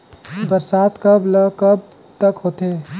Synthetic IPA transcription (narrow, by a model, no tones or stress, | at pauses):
bəɾsaːt̪kəblkəb̚ | t̪əkɦoːt̪e